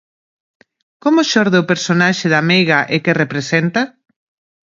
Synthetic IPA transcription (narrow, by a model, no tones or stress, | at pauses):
komʊʃɔɾðeʊpeɾsonaʃɪðamejɣɐʔɪkerepɾesɛnt̪ɐ